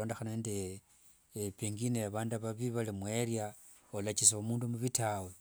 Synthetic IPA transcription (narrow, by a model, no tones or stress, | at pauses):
o̞ːndexanende | piŋɡinejaβaːndaβaβiβalimwerja | olat͡ʃiseomuːndumuβitawe